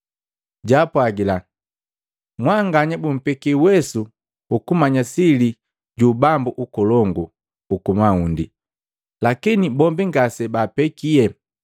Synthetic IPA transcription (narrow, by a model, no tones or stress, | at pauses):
ɟaːpwaɡila | mwaŋɡaɲabum̩pɛkiwɛsu | ukumaɲasili | ɟubambuʔukɔlɔŋɡu | ukumaundi | lakinibɔmbiŋɡasɛbaːpɛkiɛ